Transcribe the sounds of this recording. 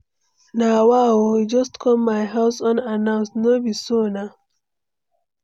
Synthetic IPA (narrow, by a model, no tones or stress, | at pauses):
nawawowid͡ʒʌstkʰɔmmaɪɦaʊsɔ̃nanãʊ̃nsnobisona